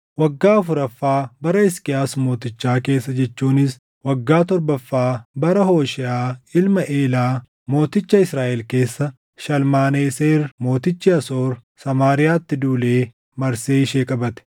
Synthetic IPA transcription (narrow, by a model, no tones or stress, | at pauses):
wɐɡːaːɐfʊɾɐfːaːbɐɾɐɪskɪjaːsmo̞ːt̪ɪt͡ʃːaːke̞ːsːɐd͡ʒɛt͡ʃːuːnɪs | wɐɡːaːt̪ɔɾbɐfːaːbɐɾɐho̞ːʃɪʔaːɪlmɐʔeːlaː | mo̞ːt̪ɪt͡ʃːɐɪsɾaːʔɛlke̞ːsːɐ | ʃɐlmaːneːseːrmo̞ːt̪ɪt͡ʃːɪɐsoːɾsɐmaːɾɪjaːt̪ːɪd̪uːleː | mɐɾseːɪʃeːkʼɐbɐt̪ɛ̥